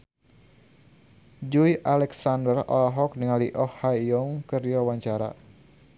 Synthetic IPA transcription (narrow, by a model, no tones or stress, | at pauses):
d͡ʒujʔalɛksandərɔ̰laɦɔk̚dəŋaliʔɔhːaiɔŋkərdiwawaɲt͡ʃaɾa̰